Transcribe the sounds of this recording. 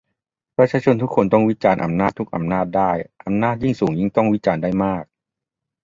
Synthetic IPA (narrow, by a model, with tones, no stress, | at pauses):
pɾa˧t͡ɕʰaː˧t͡ɕʰo˧nt̪ʰu˦˥kʰːo˧nt̪ɔ˥˩ŋwi˦˥t͡ɕaː˧nʔa̰˨˧mnaː˥˩t̪ʰːu˦˥k̚ʔa̰˨˧mnaː˥˩t̪̚daː˥˩jʔa˧mnaː˥˩t̪̚ji˥˩ŋsuː˩˦ŋji˥˩ŋt̪ɔ˥˩ŋwi˦˥t͡ɕaː˧ndaː˥˩jmaː˥˩k̚